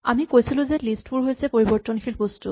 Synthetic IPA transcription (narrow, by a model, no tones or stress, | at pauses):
amikojsiluzelisʈpuɹɦojsepoɹibɔɹt̪ɔnkʰilpostu